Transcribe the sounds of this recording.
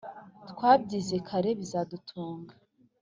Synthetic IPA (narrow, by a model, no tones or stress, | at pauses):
tkwaːb̚ɟiːze̞kʰaɾe̞βizadutʰuːŋɡa